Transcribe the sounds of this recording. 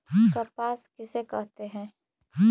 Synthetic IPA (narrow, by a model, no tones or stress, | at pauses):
kapaːskɪsekɛɦt̪eɦɛ̃ː